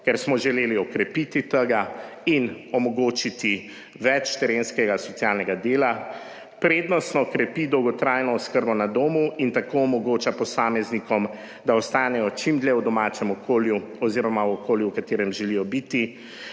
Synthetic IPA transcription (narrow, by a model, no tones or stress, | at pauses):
kɛɾsmɔʒɛleːliɔkɾɛpit̪it̪əɡainɔmɔɡoːt͡ʃit̪i | ʋɛt͡ʃt̪ɛɾeːnskɛɡasɔtsijaːlnɛɡad̪eːla | pɾeːd̪nɔst̪nɔkɾɛpid̪ɔwɡɔt̪ɾaːjnɔɔskəɾbɔnad̪oːmuint̪akoɔmɔɡoːt͡ʃapɔsaːmɛznikɔm | d̪aɔst̪aːnɛjɔt͡ʃimd̪ljɛwd̪ɔmaːt͡ʃɛmɔkoljuɔziɾɔmaɔkoːljuwkat̪eːɾɛmʒɛlijɔbit̪i